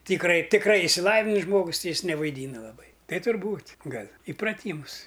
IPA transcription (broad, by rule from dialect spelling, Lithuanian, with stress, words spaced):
tʲiːkˈrɐɪ tʲɪkˈrɐɪ ɪʃʲsʲɪˈlˠɑːʋʲɪnʲɪs ˈʒmoːɡʊs ˈtʲɪ ˈjɪs nʲɛʋɐɪˈdʲiːnɐ lˠɐˈbɐɪ ˈtɐɪ tʊrˈbuːtʲ ˈɡɐlʲ ɪprɐˈtʲiːmʊs